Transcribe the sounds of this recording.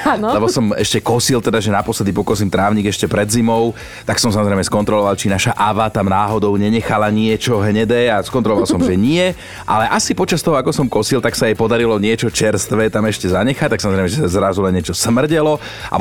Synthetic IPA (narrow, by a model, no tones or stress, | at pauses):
anllɛbɔsɔmɛʃcɛkɔsilt̪ɛd̪aʒɛnapɔslɛd̪ipɔkɔs̬imt̪ɾaːʊɲiɡɛʃcɛpɾɛd̪zimɔʊ | t̪aksɔmsamɔzɾɛjmɛskɔnt̪ɾɔlɔʋalt͡ʃinaʃaʔaʋat̪amnaːɦɔd̪ɔʊɲɛɲɛxalaɲɪɛt͡ʃɔɦɲɛd̪ɛːaskɔnt̪ɾɔlɔʋalsɔmʒɛɲɪɛ | ʔa̰lɛʔasipɔt͡ʃast̪ɔɦɔakɔsɔmkɔsilt̪aksajɛpɔd̪aɾilɔɲɪɛt͡ʃɔt͡ʃɛɾst̪ʋɛt̪amɛʃcɛzaɲɛxac̚t̪ak̚samɔzɾɛjmɛʒɛsazɾazulɛnːɪɛt͡ʃɔsmr̩ɟɛlɔ | ʔa̰